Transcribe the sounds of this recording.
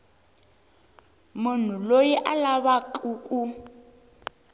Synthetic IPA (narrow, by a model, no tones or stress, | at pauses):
mun̤ulojiʔalaβaǃʰʼuːkʼu